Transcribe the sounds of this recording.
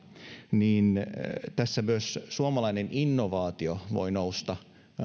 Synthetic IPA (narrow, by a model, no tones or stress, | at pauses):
niːnt̪æsːæmyøssuomɑlɑineninːoʋɑːt̪ioʋo̰inoust̪ɑ